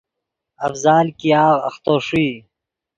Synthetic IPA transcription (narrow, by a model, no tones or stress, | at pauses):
ɐfzaːlkijɑːɣɐ̰xt̪oːʂiː